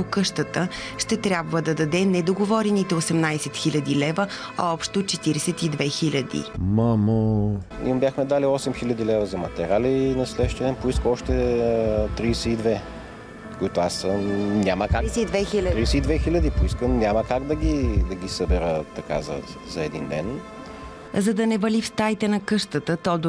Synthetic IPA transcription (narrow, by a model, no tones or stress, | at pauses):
pokɤʃt̪ət̪ə | ʃt̪ɛt̪ɾʲabvəd̪ɐd̪ɐd̪ɛnɛd̪oɡovɔɾɛnit̪ɛosɛmnajsɛt̪xilʲɐd̪ilɛvə | aɔpʃt̪ot͡ʃɛt̪iɾɛsɛt̪id̪vɛxilʲɐd̪ḭmamo | ibʲjaxmɛd̪aliɔsɛmxilʲɐd̪ilɛvəzɐmɐt̪ɛɾalinɐslɛʃt̪ɛɛnpoiskəɔʃt̪ɛ | t̪ɾisɛid̪vɛ | koit̪ʊasːəmnʲaməkad̪vɛxiɾisɛid̪vɛxilʲəd̪ipoiskənnʲaməkaɡd̪ɐɡʲid̪ɐɡʲisəbɛɾət̪ɐka̰zɐ̰ | zɐɛd̪ḭnd̪ɛ̰n | zɐd̪ɐnɛvɐlifst̪ajt̪ɛnɐkɤʃt̪ət̪ət̪ɔd̪